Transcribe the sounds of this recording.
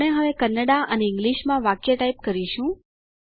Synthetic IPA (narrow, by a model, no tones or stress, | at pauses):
ɽeɦəʋekənːəɽaʔəneɪ̃ŋɡliʃmãʋakjəʈaip̚kəɾiʃũ